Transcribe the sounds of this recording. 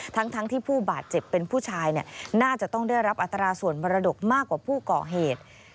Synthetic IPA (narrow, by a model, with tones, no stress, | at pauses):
t̪ʰa˦˥ŋt̪ʰa˦˥ŋt̪ʰiː˥˩pʰuː˥˩baː˨˩t̪̚t͡ɕe˨˩pːe˧npʰuː˥˩t͡ɕʰaː˧jni˦˥˩ənaː˥˩t͡ɕa˨˩t̪ɔ˥˩ŋdaː˥˩jɾa˦˥p̚ʔa˨˩t̪ːɾaː˧su˨˩ənbɔ˧ɾa˧do˨˩k̚maː˥˩kːwaː˨˩pʰuː˥˩kɔ̰ː˨˩ɦeː˨˩t̪̚